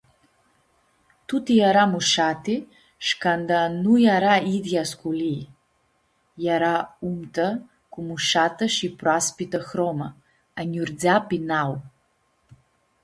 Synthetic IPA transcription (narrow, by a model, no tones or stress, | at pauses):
t̪ut̪ijaɾamuʃat̪i | ʃkand̪anujaɾaid̪jaskuli | jaɾaumt̪ə | kumuʃat̪əʃipɾaspit̪əxɾomə | anʲuɾd͡zʲapinaw